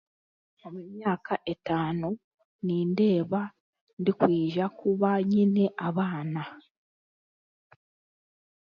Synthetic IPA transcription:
o̞mumjaːkʰaʔe̞taːno | niːnde̞ːβa | ndikwiːʒakuβaɲine̞ʔaβaːna

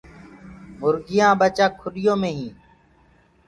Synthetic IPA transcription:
mʊɾɡɪjãːbət͡ʃaːkʰʊɗɪjõːmẽːɦĩː

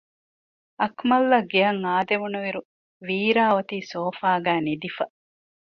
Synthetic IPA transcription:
ɐkmɐlːɐɡeɐŋaːd̪eʋunuʋiɾu | ʋiːɾaːot̪iːsoːfaːɡæːnid̪ifɐ

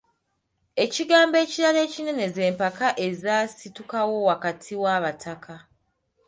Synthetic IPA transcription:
e̞ciɡaːmbe̞ːciɾale̞ːcine̞ne̞ze̞ːmpakaʔe̞zaːsitukawo̞wakatʰiwaːβatʰakʰa

